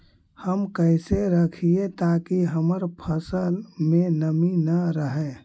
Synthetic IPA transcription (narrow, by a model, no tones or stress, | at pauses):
həmkəɪseɾəkʰiet̪akiɦəməɾpʰəsəlmenəminəɾəɦɛ